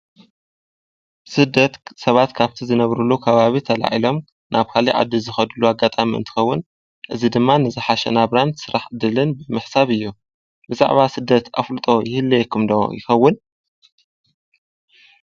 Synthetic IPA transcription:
sɨd̪ɐt̪sɐβat̪kʰaβt̪ʰizɨnɐβɾulːukʰɐβaβit̪ʰɐla̰ʕilo̞m | nʔaβkʰaliʕa̰d̪ːizɨxɐd̪ulːuaɡːat̪ʼamiɨ̰nt̪ʰɨ̥xɐwːʊn | ʔɨzid̪ɨmːanɨzɨħaʃɐ̰naβɾansɨɾaħɨd̪ɨlɨnbɨmɨħsaβɨjːu | bɨza̰ʕβasɨd̪ːɐt̪a̰flɨt̪ʼo̞jɪhɨlːijɛkʰːɨmd̪o̰jɪ̰xɐwːʊn

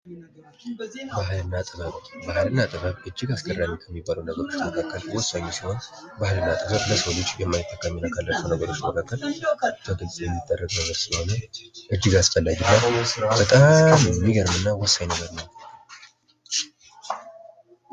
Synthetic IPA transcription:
baɦlɨnːat̪ʼɨβətbahlɨnːat̪ʼɨβəβʔɨd͡ʒːɪɡaskʰərːamikʰəmːibːaləwnəɡəɾo̞t͡ʃt̪məkʰakːəlwɔsːaɲːɛsiho̞n | bahlɨnːat̪ʼɨbəβləsəwlot͡ʃːjɛmːajt̪ʰːəkʰːaminakʰalːat͡ʃənəɡəɾo̞t͡ʃːməkʰakːəlɨt̪ʰəɡ̪ɨlsʼjɛmːid̪ʼːərːəɡʼnəɡəɾsɨoneʔɨd͡ʒːɪɡasfəlːad͡ʒilːabət̪ʼammːiɡəɾmɨnːawɔsːajnəɡəɾnəw

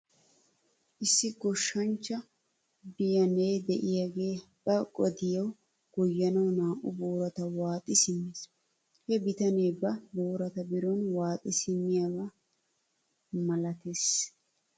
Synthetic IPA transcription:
ʔɪsːɪɡɔʃːɐnt͡ʃːɐ | bɪjɐneːd̪ɛʔɪjaɡe̞ːb̥ɐkʼɔd̪ɪjɐw | ɡ̥ɔjːɐnɐwnaːʔʊboːɾɐt̪ɐwaːt̪ʼɪsɪmːes | hɛbɪt̪ɐneːbɐboːɾɐt̪ɐbɪɾɔnwaːt̪ʼɪsɪmːɪjaɡɐ | mɐlɐt̪es

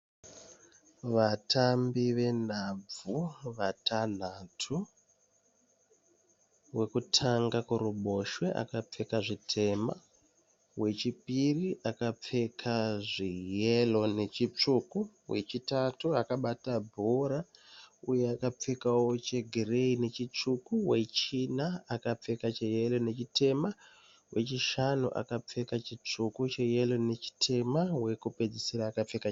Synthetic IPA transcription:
ʋatʰambiʋe̞n̤ab͡vuʋatan̤atʰu | we̞kutʰaŋɡakuɾuɓo̞ʃweʔa̰kap͡fe̞kaʐitʰe̞ma | we̞t͡ʃipiriʔakap͡fe̞kʰaʐijelo̞ne̞t͡ʃit͡ʂuku | we̞̰t͡ʃitatuakaɓatabʱoɾaujeakap͡fekawo̞t͡ʃe̞ɡʱireine̞t͡ʃit͡ʂukuwe̞t͡ʃinaːkap͡fe̞kat͡ʃeje̞lo̞ne̞t͡ʃitʰe̞ma | we̞t͡ʃiʃanṵʔa̰kap͡fe̞kat͡ʃit͡ʂukut͡ʃe̞je̞lo̞ne̞t͡ʃi̥tʰe̞mawe̞kupe̞d͡zisiɾaːkap͡fe̞ka

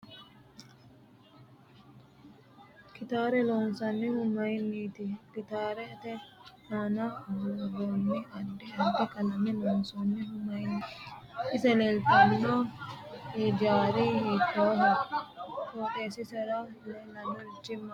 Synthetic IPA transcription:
kɪt̪aːɾɛloːnsɐnːɛhʊmːɐjnːiːt̪ɪkɪt̪aːɾɛːt̪ɛnaːnɐɡonːɪɐdːɪɐd̪ɛkɐlɐmɛloːnsɔnːɛhʊmːɐjnːiːɪsɛlelt̪ɐnːɔ | iːd͡ʒaːɾɪhik̪ːoɦɐ | t̪oːt̪eːsɪsɛɾɐ | lɛlɐnːɔɪt͡ʃːɪmːɐ

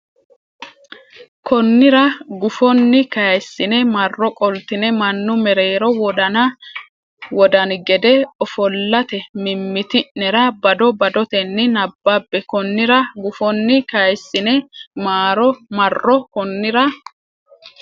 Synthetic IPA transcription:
kʰɔnːɪɾɐɡʊfɔnːɪkɐjsːɪnɛmɐrːɔkʼɔlt̪ɪnɛmɐnːʊmɛɾeːɾɔwɔd̪ɐnɐ | wɔd̪ɐnɡɛd̪ɛɔfɔlːɐt̪ɛmɪmːɪt̪ɪnɛɾɐbɐd̪ɔbɐd̪ɔt̪ɛnːɪnɐbːabːɛkɔnːɪɾɐɡʊfɔnːɪkɐjsːɪnɛmaːɾɔmɐrːɔkɔnːɪɾɐ

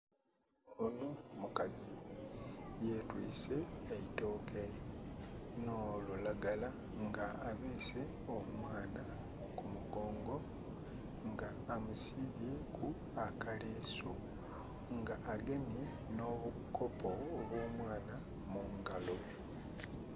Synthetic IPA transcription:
onomukazi | je̞twiːse̞ːitoːke | nolulaɡala | ŋɡaːβeːse̞ | omwaːna | kumuɡo̞ːŋɡo̞ | ŋɡaːmusiβjekʰu | akaleːsu | ŋɡaʔːɡe̞me | no̞βu | kʰo̞pʰo̞ːβwoːmwaːna | muŋɡalo̞

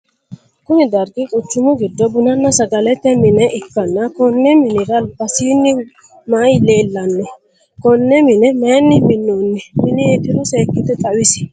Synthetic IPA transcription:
kʊnɪd̪ɐɾɡɪkʼʊt͡ʃːʊmʊɡɪd̪ːɔbʊnɐnːɐsɐɡɐlɛt̪ːɛmɪnɛʔɪkːɐnːɐkɔnːɛmɪnɪɾɐlbɐsiːnːɪ | majleːlːɐnːɛ | kɔnːɛmɪnɛmeːnːɪmɪnːoːnːɪmɪnɪɛt̪ɪɾɔseːkːɪt̪ːɛt̪ʼɐwɪsɪ̥

